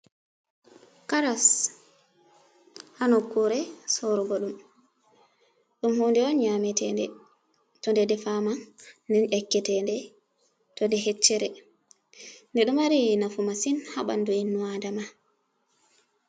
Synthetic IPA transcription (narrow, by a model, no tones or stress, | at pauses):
kaɾas | hanɔkːuɾɛsɔɾɔɡɔɗum | ɗumhɔndɛɔnɲamɛtɛndɛ | tɔndɛdɛfamadɛnʔɛkːɛtɛndɛ | tɔndɛɦet͡ʃːɛɾɛ | ndɛɗumaɾinafumasinhaɓa̰nduinːuwadama